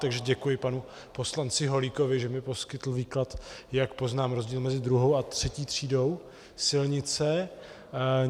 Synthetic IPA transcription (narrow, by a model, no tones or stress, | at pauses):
t̪aɡʒɛɟɛkujɪpanu | po̞slant͡sɪɦo̞liko̞vɪʒɛmɪpo̞skɪt̪l̩viːklat̪jakpo̞znaːmɾo̞zɟiːlmɛzɪd̪ɾuɦo̞wat̪r̝̥ɛciːt̪r̥iːdo̞w | sɪlɲɪt͡sɛ